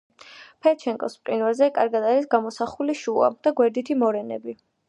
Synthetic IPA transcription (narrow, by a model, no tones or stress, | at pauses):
pʰɛɾt͡ʃʰɛŋkʼɔspʼqʼinvɛɾzɛkʼaɾɡad̪aɾisɡamɔsaχuliʃua̰d̪̥aɡwɛɾd̪it̪ʰimɔɾɛnɛ̰bi